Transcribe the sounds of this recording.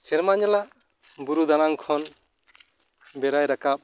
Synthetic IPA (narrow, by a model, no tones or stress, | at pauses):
sɛɾmaɲɔlaʔ | buɾud̪anaŋkʰɔn | bɛɾajɾakap̚